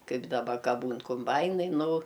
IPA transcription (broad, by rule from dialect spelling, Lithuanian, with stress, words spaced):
ˈkɐɪp dɐˈbɐ ˈkɐ ˈbuːn kʊmˈbɐɪnɐɪ ˈnʊ